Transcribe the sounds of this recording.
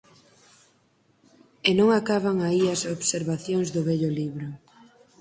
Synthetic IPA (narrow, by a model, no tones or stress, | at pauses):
enõŋakaβaŋaiɐsoβseɾβaθjoŋzðʊβɛʎʊliβɾʊ